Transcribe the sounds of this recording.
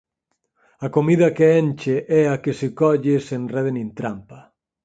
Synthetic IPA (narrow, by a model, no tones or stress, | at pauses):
akomiðɐkeenʲt͡ʃeʔɛakesekɔʎesenrɛðenĩnt̪ɾampa